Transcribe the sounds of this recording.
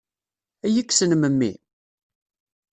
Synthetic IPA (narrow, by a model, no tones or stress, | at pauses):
æjəkːsənməmːḭ